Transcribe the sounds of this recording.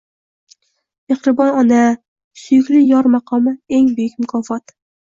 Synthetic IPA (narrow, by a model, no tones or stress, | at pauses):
ehɾɪbɒnɒna | sʊjʊkʲlɪjɒɾmɑqʰɒmɪeŋbʊjʊkʲmʊkʰɒfɒt̪